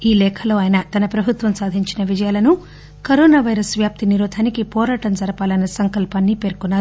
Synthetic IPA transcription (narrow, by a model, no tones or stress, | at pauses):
iːlɛːkʰɐlo̞ːaːjɐnɐt̪ɐnɐpɾɐbʱut̪ʋɐmsaːd̪ʱiɲt͡ʃinɐʋid͡ʒɐjaːlɐnu | kɐɾɔːnaːʋɐjɾɐsʋjaːp̚t̪iniɾuːd̪ʱʰaːnikipɔːɾaːʈɐmd͡ʒɐɾɐpaːlɐnːɐsɐŋkɐlpaːnːipe̞ːɾkunːaːɾu